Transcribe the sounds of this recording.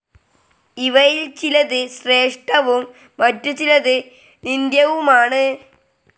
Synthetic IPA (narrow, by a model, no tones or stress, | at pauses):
iʋɐjilt͡ɕilɐðɨɕre̞ːʂʈɐʋumː | ɐtːut͡ɕilɐðɨ | nind̪jɐʋumaːɳɨ